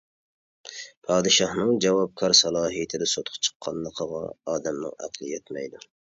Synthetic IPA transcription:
pʰɑːd̪ɨʃɑhnɨŋd͡ʒɛwɑp̚kʰɑɾsɑlˠɑːɦijt̪ʰɪd̪ɛsot̪ʰʊ̥qt͡ʃʰə̥qʰːɑnlˠəqʰəʁɑ̰ɑːd̪ɛmnɨ̰ŋæ̰qʰlˠɨjɛt̪mɛ̰jd̪u

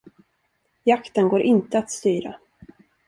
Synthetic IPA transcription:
jakt̪ənɡoːɾʔɪnt̪əat̪st̪yːɾa̰

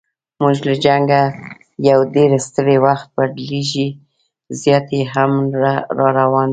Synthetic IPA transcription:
muʒlad͡ʒaŋɡa | jawɖeɾst̪əɾewaxt̪̚baɖleʒi | zjɑt̪eɦamɾɑɾawɑn

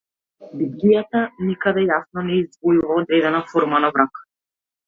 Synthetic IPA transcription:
bib̪lijat̪anikad̪ɛjasnɔnɛizd̪vɔjuvaɔd̪ɾɛd̪ɛnafɔɾmanavɾak

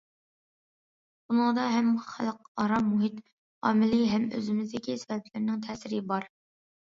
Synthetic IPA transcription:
bunɨŋd̪ɑɦɛmχæ̰lˠqɑɾɑmmuɦit̪ | ɑ̰ːmɪlɪɦɛmø̰zɪmɪzd̪ɪkʲisɪbɛpʰlɪɾnɪŋt̪ʰɛːsɪɾɪbɑɾ

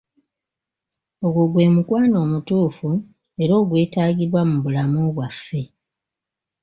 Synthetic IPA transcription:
o̞ɡoɡwe̞ːmukwaːno̞ːmutuːfu | e̞ɾo̞ːɡwe̞ːtaːɡiβwamuβulamoβwafːe̞

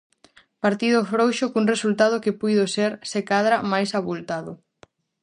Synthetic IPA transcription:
paɾt̪iðofɾowʃokuŋresult̪aðokɪpujðoseɾsekaðɾamajsaβult̪aðʊ

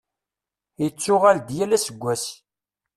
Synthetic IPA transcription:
jət͡sːʊʁald̪jælæsəɡʷːæs

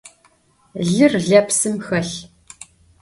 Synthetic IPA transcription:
ɮɨrɮɐpsɨmxɐɬ

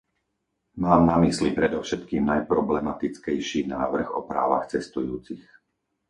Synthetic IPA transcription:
maːmnamislipɾɛd̪ɔʊʃɛt̪kiːmnajpɾɔblɛmat̪it͡skɛjʃiːnaːʋr̩xɔpɾa̰ːʋa̰xt͡sɛst̪ujuːt͡six

